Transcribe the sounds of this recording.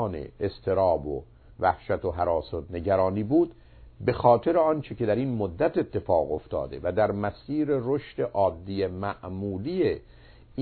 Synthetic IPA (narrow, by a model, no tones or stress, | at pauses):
nḛest̪ʰe̞ɾɒːbo̰ | væhʃæt̪ʰoɦæɾɒːsot̪ne̞ɟæɾɒːniːbuːd̪ | be̞xɒːt̪ʰe̞ɾeɒːnt͡ʃʰece̞d̪æɾinmod̪ːæt̪e̞t̪ʰːe̞fɒːɣo̞ft̪ʰɒ̰ːd̪e̞̰væd̪æɾmæsiːɾe̞ɾoʃt̪e̞ʔɒːd̪ːijemæʔmuːlije